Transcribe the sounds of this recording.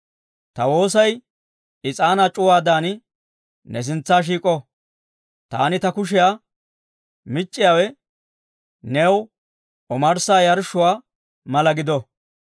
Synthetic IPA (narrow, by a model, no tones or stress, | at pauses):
t̪ɐwo̞ːs̬ɐj | ɪt͡sʼaːnat͡ʃʼʊwaːd̪aːnɪ | nɛs̬ɪnt͡sːaːʃ̬iːkʼɔ | t̪a̰ːnɪt̪ɐkʊʃ̬ɛjaː | mɪt͡ʃʼːɪjaːwɛ | nɛw | ɔmɐɾsaːjɐɾʃʊwaː | mɐlɐɡɪd̪ɔ